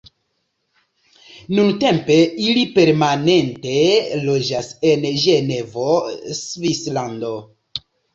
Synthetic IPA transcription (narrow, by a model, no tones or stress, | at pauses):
nunte̞mpe̞ilipe̞ɾmane̞nte̞lo̞d͡ʒasenʒe̞ne̞vosvislando̞